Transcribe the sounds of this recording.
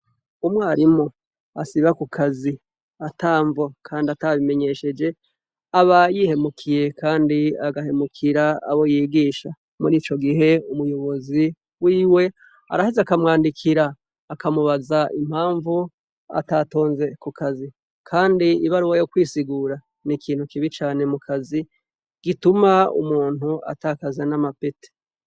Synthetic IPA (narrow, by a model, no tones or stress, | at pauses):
umwaːɾimo̞ | asiβakukʰazi | ataːɱvo̞kʰaːndiataβime̞ɲe̞ʃe̞d͡ʒe̞ | aβajihe̞mukʰije̞kʰaːndiaɡahe̞mukʰiɾaa̰βo̞jiːɡiːʃa | muɾiːt͡ʃo̞ɡiɦe̞umujo̞βo̞zi | wiːwe̞ | a̰ɾahezeakamŋaːndikʰiɾaː | kamuβazaʔḭm̥haːɱvu | a̰tato̞ːnze̞kukʰazi | kʰaːndiiβaɾuwajo̞kwiːsiɡuːɾa | nikʰiːn̥hukiβit͡ʃaːne̞mukʰazi | ɡ̥itumaṵmuːn̥hua̰taːkazanamapete̥